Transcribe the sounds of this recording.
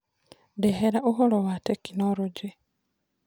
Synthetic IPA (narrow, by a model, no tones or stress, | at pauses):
deɦeɾaʔuɦolowatekːinoɾoɟi